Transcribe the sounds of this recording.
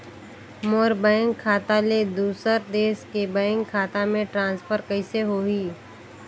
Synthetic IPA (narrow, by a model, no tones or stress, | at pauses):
moːɾbəɪ̃ŋɡkʰaːt̪aled̪uːsəɾd̪eːskebəɪ̃ŋɡkʰaːt̪amẽʈɾãːnspʰəɾkɐɪseɦoiː